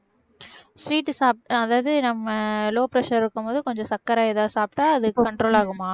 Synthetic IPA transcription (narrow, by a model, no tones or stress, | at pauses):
sɾiːʈːsaːp̚ʈɐðaːʋɐðɯnɐmːɐloːpɾɐʂɐɾɪɾɯkːɯmpoːðɯkɔɲd͡ʒɔ̃sɐkːɐɾaːɛðaːsaːp̚ʈːaːɐðɯkːɐɳʈɾoːlaːɣɯmaː